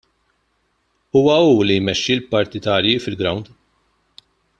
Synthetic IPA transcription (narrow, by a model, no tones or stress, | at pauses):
uːwɐuːlijmɛʃːilpɐɾt̪ɪt̪ɐːɾjifɪlɡɾɐwnd̪